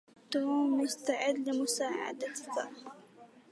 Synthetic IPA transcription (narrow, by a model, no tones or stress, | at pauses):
t̪umːʊst̪aʕɪd̪lɪmʊsaːʕa̰d̪aθɑ̰